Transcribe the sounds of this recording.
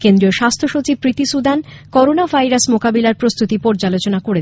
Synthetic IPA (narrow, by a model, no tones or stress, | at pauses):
kend̪ɾioʃast̪ʰoʃot͡ɕib̚pɾit̪isud̪ʱankɔɾonabʱajɾasmokabilaɾpɾost̪ut̪ipɔɾd͡ʑalot͡ɕonakoɽe